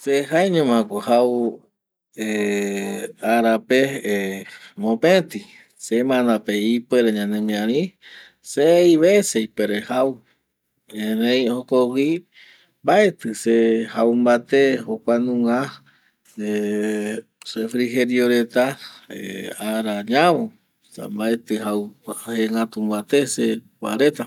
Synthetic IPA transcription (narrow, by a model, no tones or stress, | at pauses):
seɦaeɲõmãkʷohaw | e | aɾape | mõpẽt̪i | semãnd̪apeipeɾeɲãnẽmĩãɾĩ | sejβesejpeɾehaw | hẽnẽj̃okowi | mbaet̪ɨsehawmbat̪ehokʷanũŋa | e | sefɾiɦeɾioɾet̪aeaɾaɲãwo | sa̰mbaet̪ɨɦaweŋɡat̪umbat̪esekʷa̰ɾet̪a